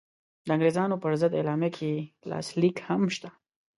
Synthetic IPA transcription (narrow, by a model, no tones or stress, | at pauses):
d̪əaŋɡɾezɑnopəɾzəd̪ḛlɑmjakʰelɑ̰slikhamʃt̪a